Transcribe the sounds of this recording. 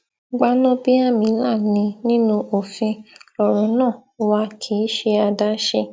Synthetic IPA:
ɡ͡ba˧˦nɔ̃˦bi˦a˦˨mĩ˨˦la˦˨nĩ˧nĩ˦nũ˧ʔo˨fĩ˧ɔ˨ɾ̃ɔ̃˨˦nãː˦˨˧wa˧kʰi˨˦ʃe˧a˧da˦ʃe˧

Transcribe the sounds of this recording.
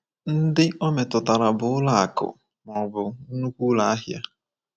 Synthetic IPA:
n̩˦dɪ˦ɔ˦me˨tʊ˨ta˨ɾa˨bʊ˨˦ʊ˦la˦a˨kʊ̰˨ | mɔ˨bʊ˨n̩˦nu˦kʷu˦la˨a˦ɦja˦

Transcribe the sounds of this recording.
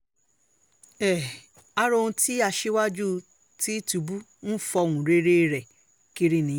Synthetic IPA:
ɛ˨ | a˦ɾõ˧ũ˧ti˦a˧ʃe˦wa˦d͡ʒu˦ | ti˦tu˧bu˦ | n̩˦fɔ˧˨wũ˨ɾe˦ɾe˦˨ɾɛ˨ | ki˦ɾi˦˨nĩ˨˦

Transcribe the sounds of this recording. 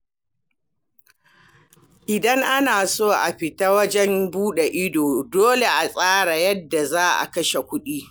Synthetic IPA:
ʔɪ˨dɐ˦ŋʔa˦naː˨soː˦ʔa˨ɸɪ˨ta˦wɐ˦d͡ʒɛ˦mbuː˦ɗe˨ʔɪ˦doː˨doː˦le˨ʔa˨sʼaː˦ɽa˨jɐ˦dːa˨zaː˦ʔa̰˨kɐ˦ʃe˨kʷʊ˦ɗiː˦

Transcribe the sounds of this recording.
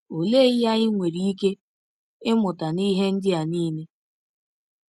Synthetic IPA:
o˨le˦ɪ˦ja˦ɣɪ˦ŋʷe˨ɾi˨i˦ke˦ | ɪ˦mʊ˨ta˨ni˦ɦe˦n̩˦dɪ˦a˨niː˦ne˦

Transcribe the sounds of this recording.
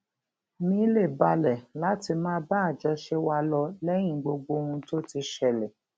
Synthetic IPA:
mĩ˧˦le˦˨ba˧lɛ˨la˨˦ti˧mãː˦ba˦a˨d͡ʒɛ˧ʃɛ˦wa˧lɔ˧lɛ˦j̃ĩ˨ɡ͡bo˧ɡ͡bo˧hũ˧to˦ti˧ʃɛ˦˨lɛ˨

